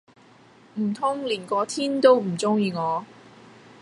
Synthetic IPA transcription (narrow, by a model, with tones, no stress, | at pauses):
m̩˨˩t̪ʰʊ˥ŋliː˨˩nkɔː˨˧t̪ʰiː˥nt̪o˥wm̩˨˩t͡sʊ˥ŋjiː˧ŋɔː˨˧